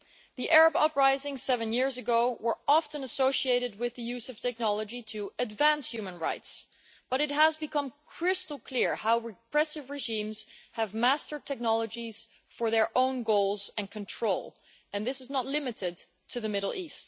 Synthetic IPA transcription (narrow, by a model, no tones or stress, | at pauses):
ðiʔɛɹəbʌpɹaɪzɪ̃ŋsɛvɨ̃njɪɹzɨɡoʊwə˞ɑftɨ̃nəsoʊʃieɪɾɨd̚wɪðɨjʉzʌv̥tʰɛk̚nɑlˠəd͡ʒiɾʰɨɨdvæ̃nsjʉmə̃nɹa̰ɪts | b̥ʌɾɨt̚ɦəzbɨkʰʌ̃mkʰɹ̥ɪstl̩ˠkʰl̥ɪɹhaʊɹɨpʰɹ̥ɛsɨvɹɨʒĩmz̥ɨvmæstə˞tʰɛk̚nɑlˠəd͡ʒiz̥ | fə˞ðə˞ʔõʊ̃nɡoʊlˠzɨ̃nkʰɨ̃ntʰɹ̥oʊlˠ | ɨ̃nðɪsɨznətˡlɪmɨɾɪd | tʰɨðɨmɪɾl̩ˠist